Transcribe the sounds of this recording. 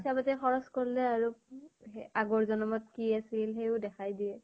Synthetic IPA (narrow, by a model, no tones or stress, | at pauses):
isabatɛxɔɹɔskoɹilɛaɹu | aɡɔɹzɔnɔmɔt̚kiasilɦejʊdɛxʰajdiɛ